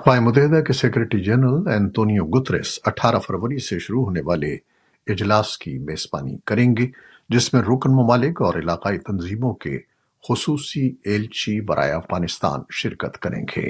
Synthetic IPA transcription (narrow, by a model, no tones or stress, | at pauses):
ɐxwaːemʊt̪ɛɦɪd̪akesekɾeʈɾid͡ʒɛːɾnɾəlɛ̃ːnt̪oːnijoɡʊt̪ɾɪ̰sɐʈʰaːɾafɐɾʋəɾiseʃʊɾuɦoːneʋaːle | ɪd͡ʒlaːskimeːz̥ba̰ːnḭkɐɾẽːŋɡeː | d͡ʒɪsmẽɾʊknmɐmaːlɪkɔːɾɪlaːqaːit̪ɐnziːmõkḛ | xʊsuːsieːlt͡ʃibɐɾʔa̰ːeɐfɣaːnɪst̪a̰ːnʃɪɾkət̪kɐɾḛ̃ːɡḛː